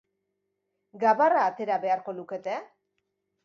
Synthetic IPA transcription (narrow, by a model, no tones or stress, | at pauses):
ɡaβaraːt̪e̞ɾaβe̞aɾko̞luke̞t̪e